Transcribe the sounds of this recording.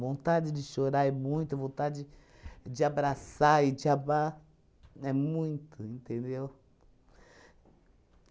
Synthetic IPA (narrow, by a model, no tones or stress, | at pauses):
võnt̪ad͡ʒɪd͡ʒɪʃoɾaɛmũj̃t̪ʊɐvõt̪ad͡ʒɪ | d͡ʒɪabɾasaɪd͡ʒɪaba | ɛmũj̃t̪ʊĩnt̪ẽnd̪ew